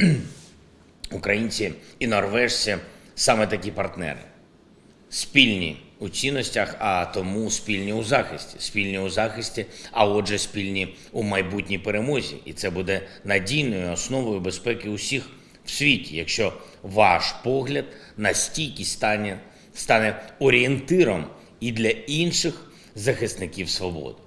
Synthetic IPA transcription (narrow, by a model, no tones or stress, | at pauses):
ʊkɾɐjinʲt͡sʲiinɔrʋɛʂsʲɐsɑmɛt̪ɐkʲipɐrt̪nɛ̰ɾɪ̰ | sʲpʲilʲnʲḭut͡sʲinːɔsʲtʲɐxɐt̪ɔmuspʲilʲnʲiʊzɑxɪsʲtʲi̥spʲilʲnʲiʊzɑxɪsʲtʲiɐɔʒɛspʲilʲnʲi | umɐjbutʲnʲijpeɾemɔzʲḭʔit̪sɛbud̪ɛnɐdʲijnɔjʊɔsnɔʋɔjʊbe̞spɛkɪʊsʲix | wsʲʋʲitʲijɐkʃt͡ʃɔ | ʋɑʃpɔɦlʲɐd̪ | nɐsʲtʲijkʲɪsʲ | st̪ɑnɛɔɾʲɪent̪ɪɾɔm | id̪lʲɐinʃɪx | zɐxɪst̪nɪkʲiwsʋɔbɔ̰d̪ɪ